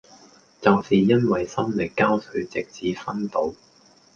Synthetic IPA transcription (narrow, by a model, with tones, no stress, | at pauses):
t͡sɐ˨wsiː˨jɐ˥nwɐ˨jsɐ˥mlɪ˨kːaː˥wsɵ˨˥ɥt͡sɪ˨k̚t͡siː˨fɐ˥nt̪o˨˧w